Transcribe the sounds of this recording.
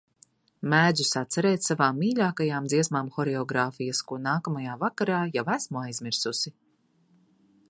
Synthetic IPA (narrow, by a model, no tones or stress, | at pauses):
mæːd̪zusat̪sɛɾeːt̪savaːmːiːʎʲaːkajaːmd̪ziɛsmaːmxɔɾɛɔɡɾaːfijɐskuɔnaːkamajaːvakaɾaːjavæsmuajzmiɾsusi